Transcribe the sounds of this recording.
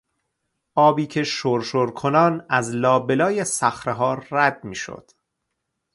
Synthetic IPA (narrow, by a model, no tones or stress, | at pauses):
ʔɒːbiːcʰe̞ʃoɾʃoɾkʰonɒːnæzlɒːbe̞lɒːjesæxɾeɦɒːɾːæd̪̚miːʃo̰d̪̥